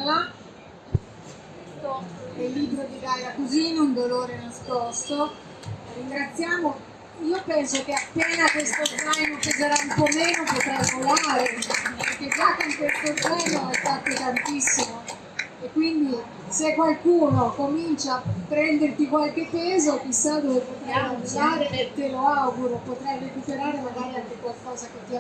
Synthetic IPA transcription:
a | est̪oɛilːiːbɾod̪iɡajakozinund̪oloːɾenaskɔst̪o | riŋɡɾat̪sːjaːmo | iːopɛnsok̟eapːeːnakwest̪osajnopezeɾaumpɔmeːnopot̪ɾemolaːɾepeɾk̟ːed͡ʒakːoŋkwest̪ot̪ɛnoɛfat̪ːet̪ant̪isːimo | ekːwind̪i | sekːwalkuːnokomint͡ʃaːpːɾɛnd̪ert̪ikwalk̟epːɛːzokisad̪ovepot̪ɾamouzaːɾeet̪ːeloawɡuɾopot̪ɾajɾekupeɾaːɾemaɡaːɾiaŋkekwalkɔːzak̟et̪ːi

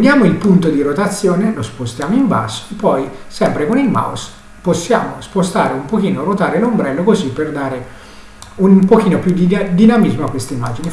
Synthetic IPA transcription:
d̪jaːmoilpunt̪od̪iɾot̪at̪sːjɔːnelospost̪jaːmoimba̰so̥epːɔjsɛmpɾekonilma̰ws | posːja̰ːmo̰spost̪aːɾeumpok̟iːnoɾot̪aːɾelombɾɛlːokozipːerd̪aːɾe | unpok̟iːnopjud̪id̪inamizmoakːwest̪eimːa̰ːd͡ʒini

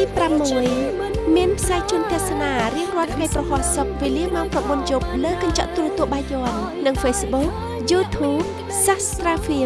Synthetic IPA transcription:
t̪iːpramːuəj | miənpʰsaɛjt͡ɕuənt̪ɛ̆əhsanaːriəŋrŏət̪ʰːŋajprɑhŏəhsok̚ʋeːliəmaɔŋprɑɓunjop̚ləːkɑɲt͡ɕɑʔt̪ulɨət̪ŭəhɓaːjːoənnɨŋfeːsɓuk̚ | juːt̪ʰuːp̚ | sast̪raːfiə

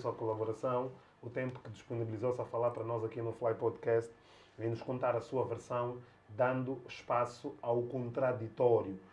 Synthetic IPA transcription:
sɐkulˠɐβuɾɐsɐ̃w̃ | ut̪ẽmpu̥kɨd̪iʃpunibɨlˠizosɐfɐlˠaɾpɐɾɐnɔzɐkinuflˠajpɔd̪kɛst̪ | vẽj̃nuʃkõnt̪aɾɐsuɐvɨɾsɐ̃w̃ | d̪ɐ̃nd̪uʃpasuawkõnt̪ɾad̪it̪ɔɾju

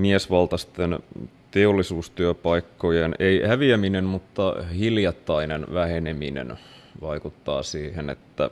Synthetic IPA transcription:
miesʋɑlt̪ɑst̪en | t̪eolːisuːst̪yøpɑikːojeneihæʋiæminenmut̪ːɑhiljɑt̪ːɑinenʋæheneminḛn | ʋɑikut̪ːɑ̰ːsiːhenḛt̪ːæ̰

